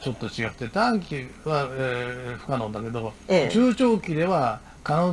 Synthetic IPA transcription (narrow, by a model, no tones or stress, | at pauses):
t͡ɕo̞t̪ːo̞t͡ɕiɡat̪ːet̪ãŋkʲiβaeɸɯ̟̥kanõnd̪ake̞d̪o̞t͡ɕɨːt͡ɕoːkʲid̪e̞βa | kãõ